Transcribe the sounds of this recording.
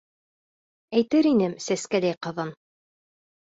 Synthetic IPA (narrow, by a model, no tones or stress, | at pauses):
æjt̪ɘɾinɘmsæskælæjqɤ̆ðɤn